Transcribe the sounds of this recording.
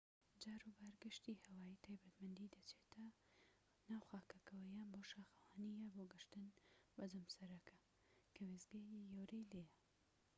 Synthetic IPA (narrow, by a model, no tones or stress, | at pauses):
d͡ʒaːɾubaːɾɡɨʃt̪iːhɐwaːjit̪ʰaːjbɐt̪mɐnd̪id̪ɐt͡ʃʰeːt̪ʰɐ | naːwxaːkɐkɐwɐjaːnboʃaːxɐwaːnijɐboːɡɨʃt̪ɨnbɐzɨmsɐɾɐkʰɐ | kʰɐwezɡejijowɾelejɐ